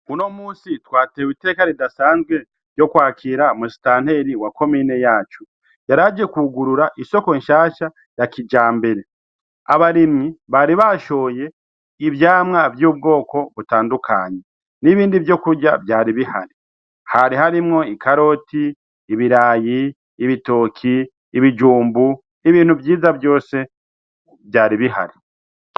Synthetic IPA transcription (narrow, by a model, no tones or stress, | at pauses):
uno̞muːsitwaːtewiteːkaɾidasaːnzɡwe̞ | v̥jo̞kwaːkʰiɾamusi̥taːnhe̞ɾiwako̞miːne̞jaːt͡ʃu | jaɾaːd͡ʒe̞kuɡuɾuɾaʔiso̞koɲʃaːʃa | jakid͡ʒaːmbe̞ɾe̞ | aβaɾimŋiβaɾiβaʃo̞je̞ | ivjaːmŋavjuːb̚ɡo̞ːko̞βutaːndukʰa̰ːɲe̞ | niβiːndivjo̞kuɾɟabjaːɾiβiha̰ɾi | haɾihaɾimŋo̞ikaɾo̞tiː | βiɾaːjiː | βito̞ːkʰiː | βid͡ʒuːmbu | iβiːn̥huvjiːzabjo̞ːse̞ | bjaːɾiβiɦa̰ɾi